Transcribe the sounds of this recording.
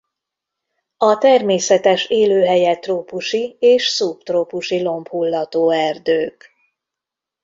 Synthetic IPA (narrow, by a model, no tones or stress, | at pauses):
ɒt̪ɛrmeːsɛt̪ɛʃeːløːɦɛjɛt̪roːpuʃieːʃsupt̪roːpuʃilo̞mphulːɒt̪oːɛrd̪øːk